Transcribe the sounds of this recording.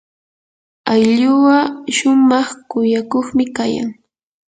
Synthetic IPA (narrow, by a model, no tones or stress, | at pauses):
ajʎʊwaʃʊmɑχkʊjakoχmɪkaja̰ŋ